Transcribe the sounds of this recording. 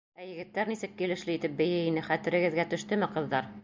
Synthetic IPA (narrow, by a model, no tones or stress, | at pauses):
æjɘ̆ɡɘ̆t̪ːæɾnisɘk̚ːilɘ̆ʃlɘit̪ɘp̚bɘ̆jɘinɘχæt̪ɘ̆ɾɘ̆ɡɘ̆ðɡæt̪ɵ̆ʃt̪ɵmɘqɤ̆ðːɑɾ